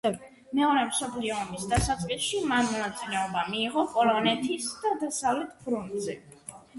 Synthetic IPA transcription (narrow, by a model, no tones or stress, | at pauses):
mɛɔɾɛmsɔpʰliɔːmisd̪asat̪sʼqʼisʃimanmɔnat̪sʼilɛɔbamiːʁɔpʼɔlˠɔnɛt̪ʰisd̪ad̪asavlɛt̪ʰpʰɾɔnt̪ʼzɛ